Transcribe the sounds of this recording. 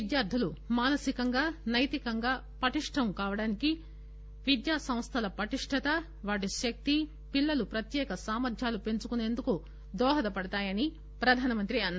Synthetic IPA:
id̪jaːɾd̪ʱɐlumaːnɐsikɐŋɡaːnɐjt̪ikɐŋɡaː | pɐʈiʂʈʰɐmkaːʋɐɽaːniki | ʋid̪jaːsɐ̃mst̪ʰɐlɐpɐʈiʂʈʰɐt̪ɐ | ʋaːʈiʃɐk̚t̪i | pilːɐlupɾɐt̪jɛːkɐsaːmɐɾd̪ʱjaːlupe̞nt͡ʃukune̞ːnd̪uku | d̪ɔːɦɐd̪ɐpɐɽɐt̪aːjɐni | pɾɐd̪ʱaːnɐmɐnt̪ɾiɐnːa

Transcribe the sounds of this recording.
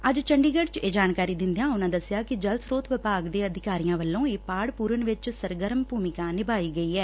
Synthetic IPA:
əd͡ʒt͡ʃəɳɖiːɡəɖt͡ʃeːd͡ʒaːnkaːɾiːd̪ɪ̃nd̪ejãːʊnãːd̪əsɪjaːkɪd͡ʒəlsɾoːt̪ʋɪpaːɡd̪eːəd̪ʱɪkaːɾijãːʋəlːõːeːpaːɽpuːɾənʋɪt͡ʃsəɾɡəɾəmbʱuːmɪkãːnɪbaːiːɡəiːɛː

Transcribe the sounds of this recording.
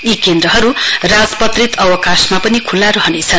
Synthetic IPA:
jikend̪ɾʌɦʌɾurad͡zpʌt̪rit̪ʌwʌkasmapʌnikʰulːaɾʌɦʌnet͡sʰʌn

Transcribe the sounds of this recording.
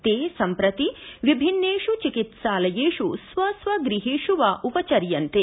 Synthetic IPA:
t̪eːsɐmpɾɐt̪iʋibʱinːeːʃut͡ʃikit̪ʃaːlɐjeːʃusʋɐsʋɐɡɾiɦeːʃuʋaːʔupɐt͡ʃɐɾjɐnt̪e

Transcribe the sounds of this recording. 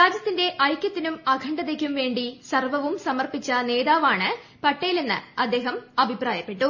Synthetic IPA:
ɾaːd͡ʑjɐt̪ːinde̞ʔɐjkʲːɐt̪ːinumɐɡʱɐɳɖɐðek̬ʲːumʋe̞ːɳɖisɐrʋɐʋumsɐmɐrpit͡ɕːɐne̞ːðaːʋaːɳɨ | pɐʈːɐjilenːɨ̰ɐd̪ːe̞ːɦɐmɐbʱipraːjɐpːe̞ʈːu

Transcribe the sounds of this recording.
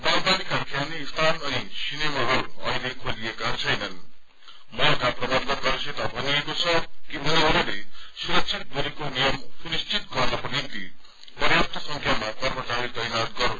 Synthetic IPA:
baŋbanikakʰjaniːst̪ʰanʌnisinemaɦuʌ̰ilekʰoliekat͡sʰʌjnʌn | mʌkaprʌbad̪nʌkʌɾset̪abʱʌniekot͡sʰʌkibʌnaʌɾulesuɾʌksʰit̪̚ɡʌɾikonijʌmsunist͡sit̪̚ɡʌrnʌpʌnint̪i | pʌrjap̚t̪ʰʌsʌŋkʰjamakʌrmʌt͡saɾit̪ʌjnat̪̚ɡʌɾũ

